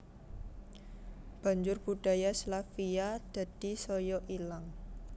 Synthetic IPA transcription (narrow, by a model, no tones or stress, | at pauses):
b̥a̤ɲd͡ʒʊrb̥uda̤jaslafiad̥a̤d̥i̤sɔjɔʔilaŋ